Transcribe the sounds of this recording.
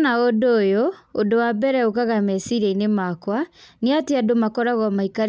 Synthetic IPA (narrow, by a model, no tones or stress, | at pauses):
naodoːjɔodowabɛɾɛokaɣamɛsiɾɛinemakwaniateadomakɔɾaɣɔmaikaɾ